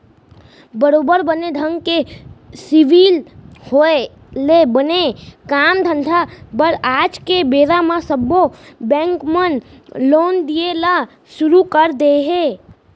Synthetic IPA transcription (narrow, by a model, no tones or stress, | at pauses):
bəɾoːbəɾbəned̪ʱə̃ŋɡkesɪʋiːlhoe | lebənekaːmd̪ʱə̃nd̪ʱabəɾaːd͡ʒkebeːɾamãsəbːobɛ̃ːŋkmən | loːnd̪iela | ʃʊɾukəɾd̪eɦeː